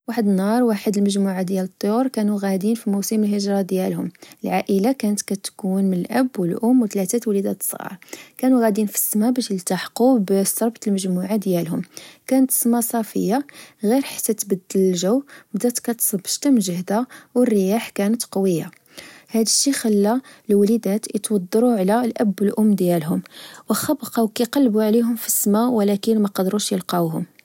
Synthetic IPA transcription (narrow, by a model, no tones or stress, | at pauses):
waħəd̪ənːɑɾˤwaħəd̪əlməʒmuʕad̪jælət̪ˤːjuɾkænuɣæd̪infimusəməlɦəʒɾˤɑd̪jælhʊməlʕaʔəlakænət̪kæt̪kunmənəlʔæbwəlʔʊmːwt̪læt̪æt̪wlid̪æt̪sˤɣɑ̰ɾˤkænuɣæd̪infi̥sːəmabæʃjəlt̪aħqubsɑɾˤbt̪əlməʒmuʕad̪jælɦʊmkænət̪ə̥səmasˤɑfə̰jːaɣiɾħḁt̪ːæt̪bəd̪ːələlʒəwbd̪æt̪kæt̪sbə̥ʃt̪əmʒəhd̪awərːəjaħkænət̪qɑwəjːa | hæd̪əʃːixælːælwælid̪æt̪t̪wɑd̪ˤːɑɾuʕlælʔæbːəlʔʊmːd̪jælɦʊmwəxɑbqɑwkæqɑlːbuʕliɦʊmfəsːmæwəlækənmæqɑd̪ɾuʃjəlqɑɦʊm